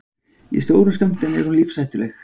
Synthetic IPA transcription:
ḭst̪oːwɾʏnskam̥t̪ɪnɛ̰ɾ̥hunliːfsajht̪ʏlɛx

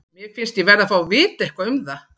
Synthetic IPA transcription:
mjɛfɪnst̪jɛvɛːɾafawvɪːt̪ɛhkvaʏmða

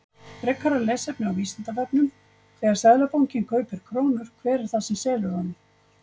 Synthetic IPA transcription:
fɾɛkʰːaɾalɛːsɛpnʏawviːsant̪avɛpnʏm | kʰvɛːɣaɾsɛðlapowŋcɪnkʰœːɥpɪɾ̥kʰɾoːwnʏɾ̥kʰvɛːɾɪɾ̥θaðsɛmsɛːlʏɾhɔnːɪ

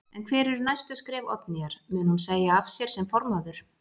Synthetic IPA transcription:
ɛnkʰvɛːɾʏɾnajst̪ʏskɾɛːvɔ̰t̪niaɾ̥mʏːnhumseːjaafsjɛɾ̥sɛmfɔɾmaðʏɾ̥

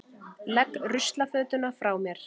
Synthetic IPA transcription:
lɛkːrʏst̪lafœːt̪ʏnafɾaːwmjɛɾ̥

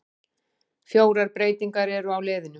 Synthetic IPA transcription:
fjoːwɾaɾpɾeːjt̪iŋkaɾɛɾʏawlɛːðɪnʏ

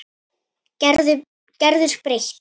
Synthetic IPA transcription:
cɛɾðʏɾ̥spɾeç̪

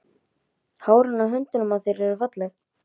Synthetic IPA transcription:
haːwɾʏnːaɦʏnt̪ʏnʏmaðθɛɾɛɾʏfat̪lɛx

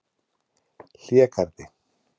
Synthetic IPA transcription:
ɬiakaɾt̪e

